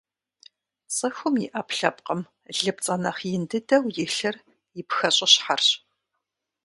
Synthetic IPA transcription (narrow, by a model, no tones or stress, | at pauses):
t͡sʼɨxʷʊmjɪʔɐpɬɐp̚qəm | ɮɨpt͡sʼɐnɐχjɪndɨdɐwjɪɬɐr | jɪpxɐɕʼɪɕħarɕ